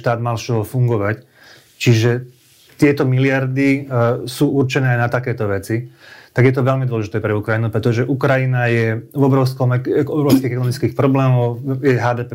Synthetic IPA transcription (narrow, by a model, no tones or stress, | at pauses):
ʃt̪aːd̪malʃɔɦɔfuŋɡɔʋac | t͡ʃiʒɛ | t̪ɪɛt̪ɔmilɪaɾd̪isuːuɾt͡ʃɛnɛːajnat̪akɛːt̪ɔʋɛt͡sit̪aɡjɛt̪ɔʋɛʎmid̪ʋɔlɛʒit̪ɛːpɾɛukɾajinupɾɛt̪ɔʒɛʔukɾajinajɛvɔbɾɔʊskɔmɛkɔbɾɔʊskiːɣɛkɔnɔmit͡skiːxpɾɔblɛːmɔʊjɛɦaːd̪ɛːpɛ